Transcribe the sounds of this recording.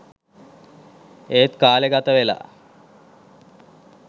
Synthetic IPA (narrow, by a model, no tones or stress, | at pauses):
eːt̪kaːleɡat̪əʋela̰ː